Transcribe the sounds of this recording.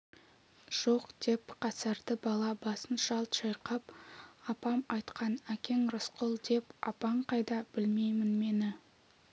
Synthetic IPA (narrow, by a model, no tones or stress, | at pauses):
ʒ̥oqd̪̥e̞pqʰɑsɑɾd̪əbɑlˠɑbɑsənʃɑlˠt̪ʃɑjqɑpɑpɑmɑjt̪qɑnækʲe̞ŋɾʊsqʊlˠd̪e̞pɑ̰pɑɴqʰɑjd̪ɑb̥ɪlme̞jmɪnme̞nɪ